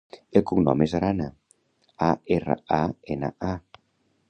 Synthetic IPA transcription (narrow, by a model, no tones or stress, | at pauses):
elˠkuŋnɔ̰mezaɾana | aerə̰aena̰a